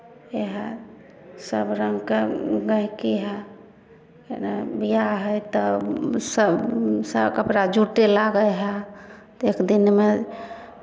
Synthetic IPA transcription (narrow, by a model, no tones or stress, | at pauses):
eɦə | səbɾəŋɡkeɡəɦkiɦɛ | nbijaɦəjt̪ɔsəbsəbkəpɾad͡ʒuʈelaɡəjɦɛt̪ekd̪inme